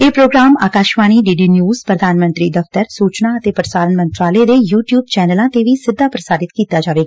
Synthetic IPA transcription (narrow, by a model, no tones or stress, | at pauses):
eːpɾoːɡɾaːma̰ːkaːʃʋaːñiːɖiːɖiːnjuːzpɾəd̪ʱaːnmə̃nt̪ɾiːd̪əft̪əɾsuːt͡ʃnaːət̪eːpɾəsaːlənmə̃nt̪ɾaːləed̪eːjuːʈjuːb̚t͡ʃɛːnəlãːt̪eʋiːsɪd̪ʱːaːpɾəsaːɾɪt̪kiːt̪aːd͡ʒaːʋeːɡaː